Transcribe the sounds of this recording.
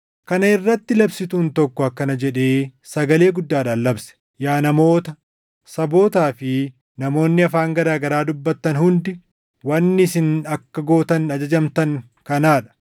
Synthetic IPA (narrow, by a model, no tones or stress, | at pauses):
kɐnɐɪrːɐt̪ːɪlɐbsɪt̪uːnt̪ɔkːɔɐkːɐnɐd͡ʒɛᶑe̞ːsɐɡɐle̞ːɡʊd̪ːaːᶑaːlːɐbsɛ̥ | jaːnɐmo̞ːt̪ɐ | sɐbo̞ːt̪aːfɪ | nɐmo̞ːnːɪɐfaːŋɡɐɾaːɡɐɾaːd̪ʊbːɐt̪ːɐnhʊnd̪ɪ | wɐnːɪs̬ɪnɐkːɐɡo̞ːt̪ɐnɐd͡ʒɐd͡ʒɐmt̪ɐŋ | kɐnaːᶑɐ̥